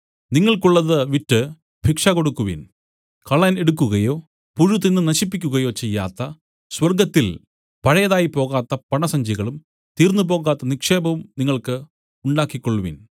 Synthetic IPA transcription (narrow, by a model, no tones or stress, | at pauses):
niŋːɐɭkuɭːɐðɨʋitːɨ | bʱikʂɐko̞ɽukːuʋḭn | kɐɭɐne̞ɽukːuɣɐjo̞ː | puɻut̪̬inːɨnɐɕipːikʲːuɣɐjo̞ːt͡ɕe̞jːa̰ːt̪ːɐ | swɐrɡɐt̪ːil | pɐɻɐjɐðaːjipo̞ːɣaːt̪ːɐpɐɳɐsɐɲd͡ʑiɣɐɭum | t̪iːrnːup̬o̞ːɣaːt̪ːɐnikʂe̞ːbɐʋumniŋːɐɭkɨ | uɳɖaːkːikʲːoɭːuʋḭn